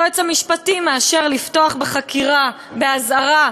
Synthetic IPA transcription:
et͡samiʃpatimːeaʃe̞ʁlifto̞aχbeχakiʁa | beazaʁa

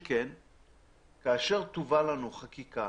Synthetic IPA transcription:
ken | kaːʃe̞ʁt̪uvalanuχakika

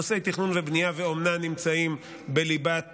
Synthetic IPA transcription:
ose̞jt̪iχnunvebnijaveomnanimt͡saim | beliba

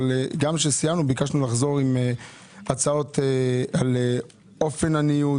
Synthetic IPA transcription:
leɡamʃesijamnubikaʃnulaχzo̞ʁime | at͡sao̞t̪eale | o̞fe̞naniu

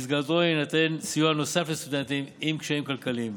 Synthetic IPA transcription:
izɡat̪oinat̪ensijuanosafest̪ud̪ent̪imimkʃaimkalkalim

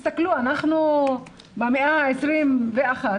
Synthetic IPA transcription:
st̪akluanaχnu | bemeʔaesɾimveaχa

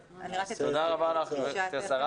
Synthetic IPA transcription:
t̪od̪aʁabaːnaχnuetasaʁa

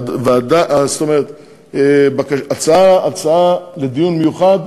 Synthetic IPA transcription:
vead̪aʔast̪o̞me̞ʁet̪ | ebakaʃat͡saaalt͡saaled̪ijunmejuχad̪

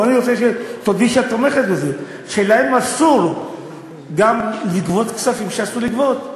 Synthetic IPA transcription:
aniʁot͡seʃetodiʃatome̞χet̪beze | ʃelaemasuʁ | ɡamliɡvot̪kt͡ssafimʃeasuliɡvot̪

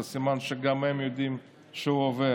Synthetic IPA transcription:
simanʃeɡamhɛmjod̪im | ʃeuove

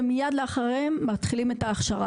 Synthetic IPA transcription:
mijad̪leaχaʁemːat̪χilimetaːχʃaʁa

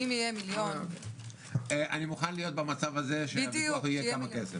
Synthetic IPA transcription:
imjijemiljon | eʔa̰nimuχanlijo̞t̪̚bamat͡savaze̞ʃemiaχijekamakesef

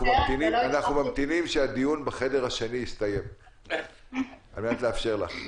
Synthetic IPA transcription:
umamt̪inimanaχnumamt̪inimʃead̪ijunbeχe̞de̞ʁhaʃenijist̪aje̞m | almenat̪leafʃe̞ʁla̰χ

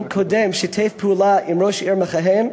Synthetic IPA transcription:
kʰodɛmʃɛtʰeɪfpʰəulaʔimɹoʃiɹmaχaɦem

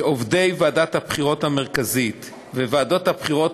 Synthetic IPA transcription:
ovde̞jvaadat̪hapχiʁo̞thameʁkazit̪ | veveːdo̞t̪hapχiʁo̞t

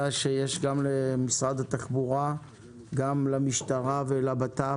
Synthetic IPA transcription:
aʃejeʃɡamlemisʁad̪hat̪aχbuʁa | ɡamlamiʃt̪aʁavelabat̪a

